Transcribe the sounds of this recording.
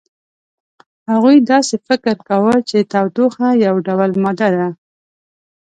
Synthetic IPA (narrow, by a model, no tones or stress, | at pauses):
haɣujd̪ɑsefɪkɪɾkawət͡ʃet̪awt̪oxajawɖawəlmɑd̪ad̪a